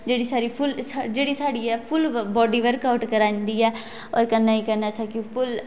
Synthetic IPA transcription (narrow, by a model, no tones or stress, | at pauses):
d͡ʒeːɽiːsaːɾiːpʰʊlsd͡ʒeːɽiːsaːɽiːɛːpʰʊlbɔːɖiːʋəɾkaːʊʈkəɾãːnd̪iːɛː | ɔ̰ːɾkənːaːiːkənːaːsakipʰʊl